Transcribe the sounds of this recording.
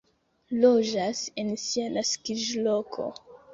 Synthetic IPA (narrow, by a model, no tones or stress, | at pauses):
lod͡ʒase̞nsianaskid͡ʒlo̞kʰo̰